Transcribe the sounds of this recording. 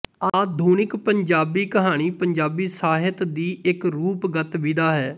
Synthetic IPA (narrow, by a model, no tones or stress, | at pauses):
aːd̪ʱuːnɪkpəɲd͡ʒaːbiːkəɦaːɽ̃iːpəɲd͡ʒaːbiːsaːɦɪt̪d̪iːɪkɾuːpɡət̪ʋid̪aːɦɛː